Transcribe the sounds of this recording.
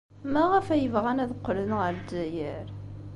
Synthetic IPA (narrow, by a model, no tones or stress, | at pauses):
mæʁəfæjəvʁænæðqːlənʁəɾdæjəɾ